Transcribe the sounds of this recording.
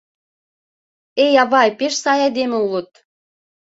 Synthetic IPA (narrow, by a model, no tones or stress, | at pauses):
ejɑβɑjpeʃsɑjɑjd̪emĕulɤ̆t̪̚